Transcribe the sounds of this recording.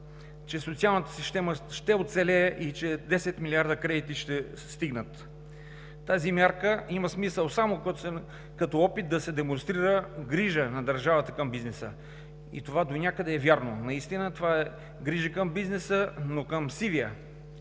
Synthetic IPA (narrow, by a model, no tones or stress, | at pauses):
t͡ʃɛsot̪sialˠnət̪ə̥sist̪ɛməʃt̪ɛot̪sɛlɛːʔit͡ʃɛd̪ɛsɛt̪milʲiaɾd̪əkɾɛd̪it̪iʃt̪ɛ | st̪iɡnət̪ː | azimʲjaɾkəimɐsmisəlˠsamokɔt̪ | kɐt̪ɔɔpit̪̚d̪ɐsɛd̪ɛmonst̪ɾiɾəɡɾiʒənɐd̪əɾʒavət̪əkəmbiznɛsə̰ | ḭt̪ovad̪onʲakəd̪ɛːvjaɾnonɐist̪inət̪ovaɛ | ɡɾiʒəkəmbiznɛsənokəmsiviə